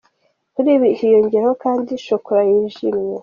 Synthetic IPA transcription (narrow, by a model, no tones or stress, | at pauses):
kuɾiːβikijoɲɟeɾahokaːndiʃokoɾajiʒimɲe